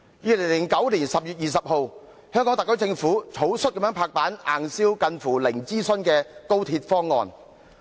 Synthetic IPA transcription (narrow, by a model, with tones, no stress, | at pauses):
jiː˨˧lɪ˨˩ŋlɪ˨˩ŋkɐ˨˥wliː˨˩nsɐ˨p̚jyː˨t̚jiː˨sɐ˨p̚ho˨˧w | hœː˥ŋkɔ˨˥ŋt̪ɐ˨kːɵ˨˥t͡sɪ˧ŋfuː˨˥t͡sʰo˨˥wsɵ˥t̚kɐ˨˥mjœː˨˥pʰaː˧k̚paː˨˥na̰ː˨˩ŋsiː˥wkɐ˧nfuː˨˩lɪ˨˩ŋt͡siː˥sɵ˥nkɛː˧ko˥wt̪ʰiː˧t̚fɔː˥ŋːɔ̰ː˨˧n